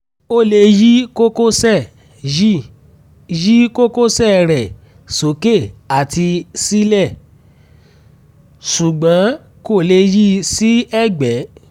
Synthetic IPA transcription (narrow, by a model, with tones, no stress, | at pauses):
o˦˨le˧ji˦ko˦ko˦sɛ˦˨ | i˦ | ji˦ko˦ko˦sɛ˦˨ɾɛ˨ | so˨˦ke˦˨a˨ti˧si˦lɛ˦˨ | ʃu˨ɡ͡bã˨˦ | ko˦˨le˧ji˦si˦ɛ˦˨ɡ͡bɛ˨˦